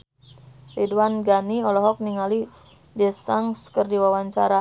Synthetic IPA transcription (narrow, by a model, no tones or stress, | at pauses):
riduwanɡaniɔlɔɦɔk̚niŋali | dɛsaŋskərdiwawaɲt͡ʃa̰ɾa